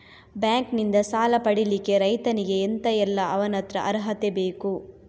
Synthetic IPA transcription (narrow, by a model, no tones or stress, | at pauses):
bjaːŋknind̪ɐsaːlɐpɐɽilikːe̞ɾɐjt̪ɐniɡe̞ːnt̪ɐɛlːɐʔɐʋɐnɐt̪ɾɐ̰ʔɐɾɦɐt̪ebeːku